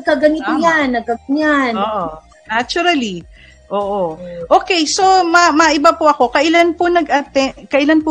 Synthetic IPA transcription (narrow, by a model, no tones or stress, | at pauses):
ɐɡ̚kɐɡɐniojanːɐɡ̚kɐɲanoːʔo | nat͡ʃʊɾɐli | ʔoːʔoʔoːkɛjso̞mɐmɐʔɪbapʊʔɐko̞kɐʔɪlanpʊnɐɡʔɐt̪ɛkɐʔɪlanpʊ